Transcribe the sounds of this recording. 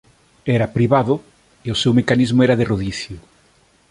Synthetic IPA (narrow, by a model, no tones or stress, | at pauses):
ɛɾɐpɾiβaðʊ | eosewmekanizmʊɛɾaðeroðiθjʊ